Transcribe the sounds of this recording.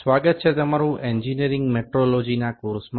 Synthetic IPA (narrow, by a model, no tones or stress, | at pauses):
sʋaɡət̪̚t͡ʃʰet̪əmaɾũʔeɲd͡ʒiniəɾɪ̃ŋɡmeʈɾolod͡ʒinakuɾsm